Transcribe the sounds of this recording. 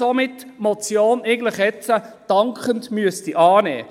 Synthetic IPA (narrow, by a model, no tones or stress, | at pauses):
omɪtː | mɔt͡sjoːneɪɡən̩dləχɛt͡səd̥ɑŋkχəntmyəstiʔɑːnɛ̰ː